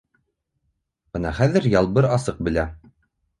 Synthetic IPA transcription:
b̥ɤnɑχæðɘ̆ɾjɑlˠbɤɾɑsɤq̚bɘ̆læ

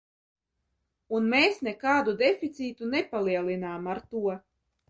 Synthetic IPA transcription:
unmeːsnekaːd̪ud̪efʲit̪siːt̪unepalˠiɛlˠinaːmaɾt̪uɔ

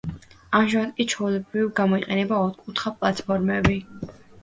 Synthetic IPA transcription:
amʒaat̪kʼit͡ʃʰɔulɛbɾivɡamɔiqʼɛnɛbaɔɾkʼut̪ʰχapʼlat̪ʰpʰɔɾmɛbi

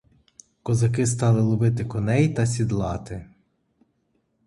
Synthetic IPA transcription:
kɔzɐkɪs̬t̪ɑlˠɪlˠʊbɪt̪̬ɪkɔnɛjt̪ɐsʲid̪lˠɑt̪ɪ

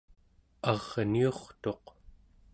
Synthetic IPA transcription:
ɑʁnio̞χt̪o̞q

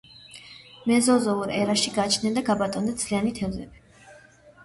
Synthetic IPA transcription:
mɛzɔzɔuɾɛɾaʃiɡat͡ʃʰnɛnd̪aɡabat̪ʼɔnd̪ad̪z̥lianit̪ʰɛvzɛbi

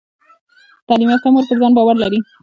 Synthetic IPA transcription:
t̪ɑlimjɑt̪amoɾpəɾzɑnbɑwaɾlaɾi

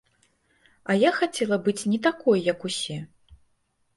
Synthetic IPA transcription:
ɐjaxat͡sʲɛlˠɐbɨt͡sʲnʲɛt̪akɔjːɐkusʲɛ

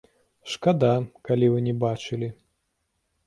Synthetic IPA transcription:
ʂkad̪akalʲivɨnʲɛbat͡ʂɨlʲi

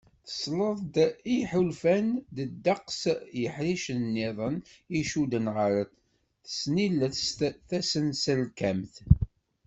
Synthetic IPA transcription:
θə̥sləðˤd̪iħulfænd̪əd̪ːɑqsjəħɾiʃənːɪðˤəniʃud̪ənʁəɾəθ | θə̥sniləθst̪θæsənsəlkæmθ

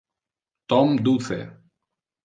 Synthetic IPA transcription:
t̪ɔmd̪uθɛ̰

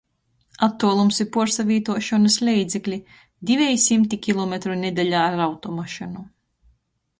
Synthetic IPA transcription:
at̪ːuɔlˠumsipuɾsavʲiːt̪uɔʃɔnɐslʲɛjd̪zɛklʲi | d̪ivʲɛjsimt̪ikʲilˠɔmʲet̪ɾunʲed̪ʲɛʎʲaːɾawt̪ɔmaʃinu

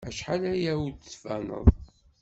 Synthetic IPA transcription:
æʃħalæjæwud̪svænə̰ðˤ

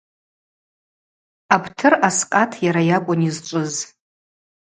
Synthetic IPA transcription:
apʰtʰɨrasqʼatʰjaɾajakʷʼʊnizt͡ʃʷʼʊz

